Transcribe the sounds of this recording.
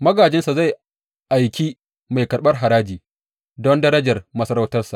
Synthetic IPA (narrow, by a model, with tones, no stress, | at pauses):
mɐ˦ɡaː˨d͡ʒɪ˦nsa˨za˦˨j | ʔa˨jkʲi˦ | ma˨jkɐ˨ɾɓɐ˦rɦa˨ɾaː˦d͡ʒiː˨ | dɔ˦ndɐ˦ɾɐ˦d͡ʒɐ˨rmɐ˦sɐ˦ɾa˦wtɐ˦rsa˨ʔ